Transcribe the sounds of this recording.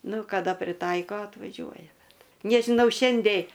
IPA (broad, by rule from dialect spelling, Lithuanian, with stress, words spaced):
ˈnʊ kɐˈdɐ pʲrʲɪˈtɐɪkoː ɐtʋɐˈʒʲuɔjɛ ˈbʲɛt nʲɛʒʲɪˈnɐʊ ˈʃʲɛnʲdʲɛɪ